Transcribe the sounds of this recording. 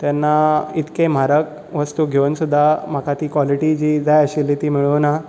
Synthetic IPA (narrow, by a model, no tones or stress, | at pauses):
t̪janːait̪kem̤aɾək̚ | ʋəst̪uɡʱeʋnsud̪ʱːam̤akat̪iːkʋɔliʈid͡ʑid͡zajəɕilːit̪iːmiɭuna